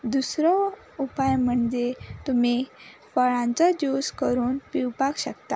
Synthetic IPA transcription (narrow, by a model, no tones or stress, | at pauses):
d̪usɾɔ | upajm̤əɳd͡zet̪umifəɭãnt͡sad͡ʑoskəɾuːnpiwpakɕəkt̪a̰